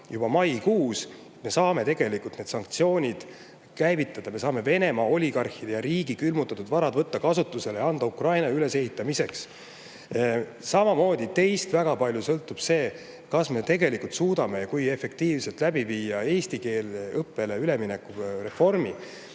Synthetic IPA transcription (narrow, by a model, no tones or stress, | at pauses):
jub̥ɑmɑjkuːs | t̪me̞sɑːme̞t̪e̞ɡ̥e̞likult̪ne̞ːd̪sɑŋkt̪sio̞ːnʲid̪̥ | kæjvit̪ːˑɑd̪̥ɑme̞sɑːme̞ve̞ne̞mɑo̞lʲiɡɑrxid̪ejɑɾiːɡ̥ikylmut̪ːˑɑt̪ːud̪̥vɑɾɑd̪vɤt̪ːɑkɑsut̪ːˑuse̞lejɑnd̪̥ɑukrɑjnɑyle̞se̞hit̪ˑːɑmise̞ks | sɑmɑmo̞ːd̪̥ʲit̪e̞jst̪væɡ̥ɑpɑlʲjusɤlt̪ːˑub̥se̞ː | kɑsme̞t̪e̞ɡe̞likult̪suːd̪ɑme̞kuje̞fe̞k̚t̪iːvse̞lt̪læbiviːɑe̞ːst̪ike̞ːlɤpːˑe̞leyle̞mine̞kure̞fo̞rmi